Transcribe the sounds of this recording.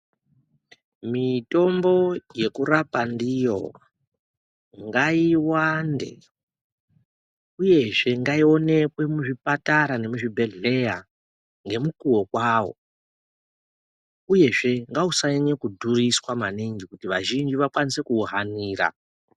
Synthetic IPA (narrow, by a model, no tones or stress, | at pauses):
mito̞mbo̞je̞kurapandijo̞̰ | ŋɡaiwande̞̰ | uje̞ʐe̞ŋɡaio̞ne̞kwe̞muʐipataɾane̞muʐibʱe̞ɮe̞ja | ŋɡe̞mukuwokwaːwo̞̰ | uje̞ʐe̞ŋɡausaiɲekudʱuriswamaniŋɡikutiʋaʒind͡ʒiʋakwanise̞kuːɦaniːɾa̰